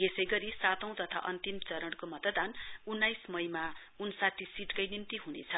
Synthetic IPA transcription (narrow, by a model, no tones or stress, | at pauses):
esʌjɡʌɾisat̪ʌ̃w̃t̪ʌt̪ʰa̰ʔʌnt̪imt͡sʌɾʌɽkomʌt̪ʌd̪anunːajsmʌjma | unsat̪ʰːisiʈkʌjnimt̪iɦunḛt͡sʰʌ